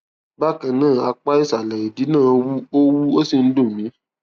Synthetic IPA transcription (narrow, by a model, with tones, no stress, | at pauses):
ba˦kã˨nãː˦˨a˧k͡pa˦i˦˨sa˨lɛ˨i˨di˨˦nã˦˨˦wu˦o˦wu˦o˦si˨n̩˦do˦˨mĩ˨˦